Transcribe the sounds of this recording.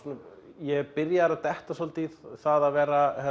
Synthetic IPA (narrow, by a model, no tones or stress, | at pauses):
njɛɣpɪɾjaɾaðt̪ɛht̪asɔlt̪iθaðaðvɛːɾahɛ